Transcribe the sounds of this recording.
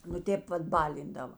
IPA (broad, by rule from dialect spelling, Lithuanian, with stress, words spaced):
nʊ ˈtʲeːp ˈʋɐt ˈbɑːlʲɪndɐʋɐ